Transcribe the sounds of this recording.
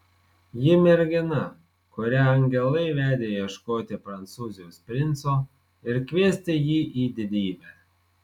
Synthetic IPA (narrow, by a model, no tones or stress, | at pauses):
jɪmʲɛɾʲɡʲɪnɐ | kʊɾʲæːɐŋʲɡʲɛlˠɐɪʋʲæːd̪ʲeːjiɛʃkoːt̪ʲɪpɾɐnt̪suːzʲɪjoːspʲɾʲɪnˑt̪soː | ɪɾkʲʋʲiɛsʲt̪ʲejiːʔiːd̪ʲɪd̪ʲiːbʲæː